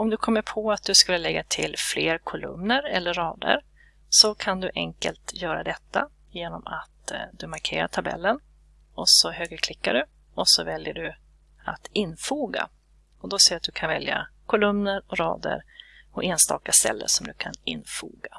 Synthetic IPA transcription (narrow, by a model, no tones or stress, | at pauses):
ɔmd̪ɵkʰɔmːəɾpʰɔat̪̚d̪ɵskɵlːəlɛɡːat̪ʰɪlːfleːɾkʰʊlɵ̰mnəɾɛlːəːɑːd̪ə̰ɾ | sɔkʰand̪ɵʔɛŋkə̰lt̪jœːɾad̪ɛt̪ːa | jeːnɔmat̪d̪ɵmaɾkʰeːɾaʈʰabɛ̰lːən | ɔsɔɦøːɡɾəkʰlɪkːaɖɵ | ɔsɔvɛljəɖɵ | at̪ɪnːfuːɡa̰ | ɔd̪ɔsɛat̪̚d̪ɵkʰanvɛljakʰʊlɵmnəɾɔɾɑːd̪ə̰ɾpʰɔʔeːnst̪ɑ̰ːkast̪ɛ̰lːə̰ʂɔmd̪ɵkʰanɪnfṵːɡa